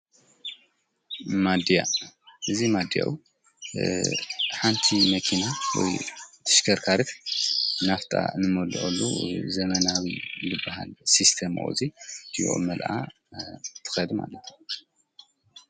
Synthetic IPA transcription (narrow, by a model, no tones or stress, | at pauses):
mad̪ja̰ʔɨzimad̪ja̰ʔu | ħant̪ʰimɐkʰinawɔ̰jt̪ʰɨ̥ʃkʰɐɾkʰaɾɨt̪naft̪ʼa̰nɨmoluʔo̰lːṵzɐmɐnawilɨbːaha̰lsist̪ʰem̰ʔṵzij̰ʔo̰mɐlʔa̰ | t̪ʰɨ̥xɐd̪ma̰lɐt̪ʰju